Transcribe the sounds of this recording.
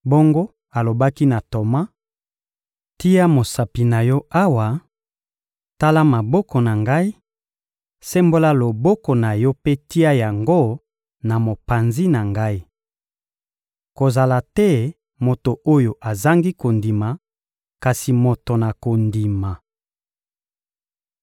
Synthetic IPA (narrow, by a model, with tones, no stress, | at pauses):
bo˦ŋɡo˦ | a˨lo˨ba˦ki˦na˨to˨ma˦ | ti˦ja˦mo˨sa˨pi˨na˨jɔ˦a˦wa˨ | ta˦la˦ma˨bɔ˦kɔ˨na˨ŋɡa˦i˦ | sɛ˦mbo˦la˦lo˨bɔ˦kɔ˨na˨jɔ˦pe˦ti˦a˦ja˨ŋɡo˦ | na˨mo˨pa˨nzi˦na˨ŋɡa˦i˦ | ko˨za˨la˨tɛ˦ | mo˨to˨ʔo˦jo˨ʔa˨za˦ŋɡi˦ko˨ndi˨ma˨ | ka˨si˨mo˨to˨na˨ko˨ndi˨ma˨